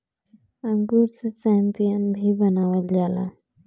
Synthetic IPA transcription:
ə̃ŋɡuɾsesampijənbʱibənaːʋəld͡ʒaːla̰

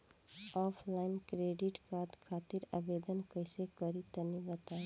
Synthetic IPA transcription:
ɔːfʰlaɪnkɾeːɖɪʈkaːd̪kʰaːt̪ɪɾa̰ʋeːd̪ənkəɪsekəɾit̪ɐnibɐt̪aːe

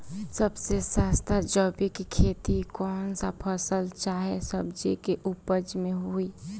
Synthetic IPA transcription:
səbsesaːst̪ʰad͡ʒɔːbikikʰeːt̪ikɔːnsapʰəsəlt͡ʃaːɦesəbd͡ʒikeʔupəd͡ʒmẽɦui

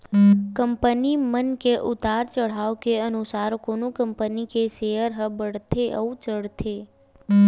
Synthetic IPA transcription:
kəmpənimənkeʔʊt̪aɾt͡ʃəɽ̤aʋkeənusaɾkonũkəmpənikeʃejəɾɦəbəɽ̤t̪ʰeʔə̰ũt͡ʃəɽ̤t̪ʰe

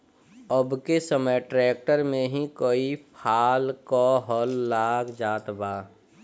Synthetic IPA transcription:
əbkesəməjʈɾɛːk̚ʈəɾmẽɦĩkoːipʰaːlkɔɦɔːlːaːɡd͡ʒaːt̪baː

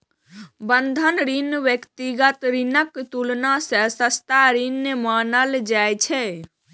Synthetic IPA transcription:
bənd̪ʱənɾinʋjəkt̪iɡət̪ɾinəkt̪ulnasəsəst̪aɾinːəmanəld͡ʒajt͡ʃʰɛ

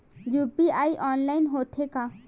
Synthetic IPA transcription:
jupiaiʔɔːnlaɪnɦoːt̪ʰeka

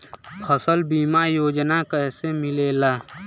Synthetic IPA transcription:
pʰəsəlbiːmajoːd͡ʒnakəɦsemɪleːlaː

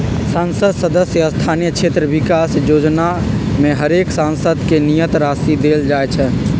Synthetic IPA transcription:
sansəd̪səd̪əsjəəst̪ʰanijəkt͡ʃʰet̪ɾəbikasjod͡ʒnameɦəɾeksãnsəd̪ʱkenijət̪ɾasid̪eld͡ʒajt͡ʃʰɛ

